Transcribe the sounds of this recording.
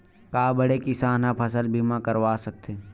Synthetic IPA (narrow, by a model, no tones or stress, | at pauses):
kaːbəɽekisaːnapʰɐs̬əlbʱimãkəɾʋaːsɐk̚t̪ʰeː